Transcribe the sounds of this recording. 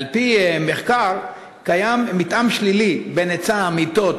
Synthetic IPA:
lpimeχkaʁ | kajamːit̪ʔamʃlilibenet͡saːmit̪ot

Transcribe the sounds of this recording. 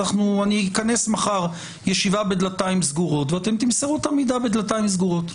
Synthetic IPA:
aχnuanikane̞smaχaʁ | jeʃivabed̪lataimsɡuʁo̞tveat̪e̞mt̪imseʁut̪amid̪abed̪lataimsɡuʁo̞t̪

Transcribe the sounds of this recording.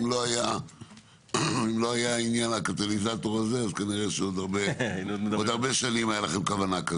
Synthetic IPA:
mlo̞aja | imlo̞ajainjanakat̪olizat̪o̞ʁazeazkaniʁeʃeo̞d̪aʁbeinomod̪aʁbe̞ʃanimajalaχemkavanaka

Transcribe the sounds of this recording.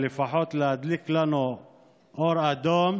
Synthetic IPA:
lifaħot̪lad̪liklano | ʔoɾad̪oːm

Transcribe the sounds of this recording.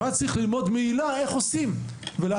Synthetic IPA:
at͡sʁiχlilmo̞d̪meilae̞χo̞simvele

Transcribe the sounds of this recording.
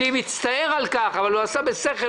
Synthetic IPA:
imit͡st̪aeʁalkaχavalhuasabeseχe

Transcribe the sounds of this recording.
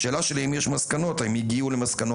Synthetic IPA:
ʃe̞ːlaʃelemjeʃmaskano̞t̪aimjiɡiulemaskano

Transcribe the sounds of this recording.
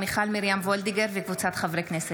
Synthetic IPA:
miχalmiɾjamvold̪iɡeɾvekvut͡sat̪χavɾeknese

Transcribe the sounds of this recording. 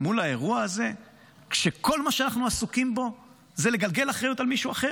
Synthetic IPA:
mulae̞ʁuaaze̞ | kʃeko̞lmaʃeanaχnuasukimbo̞ | zele̞ɡalɡe̞laχʁejutalmiʃuaχe̞

